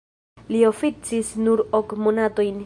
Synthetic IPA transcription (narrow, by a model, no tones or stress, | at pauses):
lio̞fit͡sisnuɾokmonato̞jn